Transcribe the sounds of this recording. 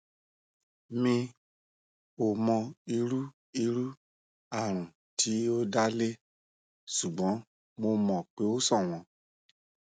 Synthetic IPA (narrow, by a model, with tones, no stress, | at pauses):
mĩ˧ | o˨mɔ̃˧i˧ɾu˦ | i˧ɾu˦ | a˨ɾ̃ũ˨ | tʰi˨˦o˦da˦le˦ | su˨ɡ͡bɔ̃˨˦ | mo˧mɔ̃˨k͡pe˨˦o˦sɔ̃˦˨w̃ɔ̃˧˦